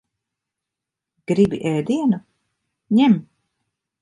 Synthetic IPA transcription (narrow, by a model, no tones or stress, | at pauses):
ɡ̥ɾibḭʔɛːd̪iɛnu | ɲɛm